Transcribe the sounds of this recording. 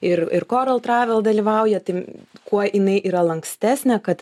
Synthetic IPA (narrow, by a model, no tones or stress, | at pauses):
ɪrɪrkoːɾɐlˠt̪ɾɑːʋʲɛlˠd̪ɐlʲiːʋɐʊjɛt̪ɐɪkuɔjɪnɐɪʔiːɾɐlˠɐŋksʲt̪ʲæːsʲnʲɛkɐt̪